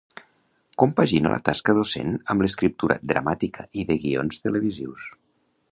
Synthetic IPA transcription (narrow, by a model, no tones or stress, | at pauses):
kumpaʒinə̰lə̰t̪askəðosḛnəmbləskɾip̚t̪uɾə̰d̪ɾamat̪ikʰəʔiðəɣio̰nst̪ələβ̞iziws